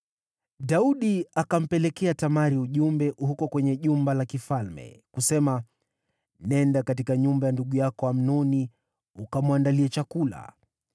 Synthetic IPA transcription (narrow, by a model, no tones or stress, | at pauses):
ɗauɗiakam̩pɛlɛkɛatamaɾiuʄumbɛʔhukɔkwɛɲɛʄumbalakifalmɛ̰kusɛma | nɛndakatikaɲumbajanduɠujakɔwam̩nɔni | ukamwandaliɛt͡ʃakula̰